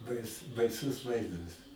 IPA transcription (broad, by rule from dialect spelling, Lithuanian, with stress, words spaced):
ˈbɐɪs bɐɪˈsʊs ˈʋɐɪzdɐs